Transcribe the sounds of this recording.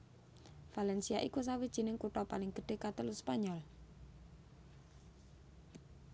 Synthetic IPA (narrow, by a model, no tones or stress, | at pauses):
falɛnsiaʔikus̬awid̥ʒ̥i̤nɪŋkuʈɔpalɪŋɡ̥ə̤ɖ̥e̤kat̪əluspaɲɔl